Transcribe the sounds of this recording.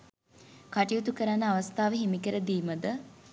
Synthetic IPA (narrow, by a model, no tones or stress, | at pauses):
kaʈijut̪ukəɾanːəaʋɐst̪aːʋəɦimikəɾəd̪iːməd̪ə